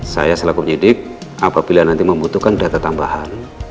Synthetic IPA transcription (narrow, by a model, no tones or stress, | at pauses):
sa̰jasəlaɡupəɲidɪk̚apabilanant̪iməmbut̪ukandat̪at̪amba̰han